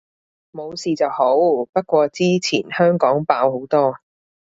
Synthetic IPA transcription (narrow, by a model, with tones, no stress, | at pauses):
mo˨˧wsiː˨t͡sɐ˨who˨˥wpɐ˥t̚kʷɔː˧t͡siː˥t͡sʰiː˨˩nhœː˥ŋkɔː˨˥ŋpaː˧who˨˥wt̪ɔː˥